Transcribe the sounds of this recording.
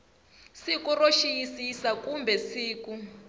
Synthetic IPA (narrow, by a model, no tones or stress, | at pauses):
sikuroʃijisisakumbɛsiːku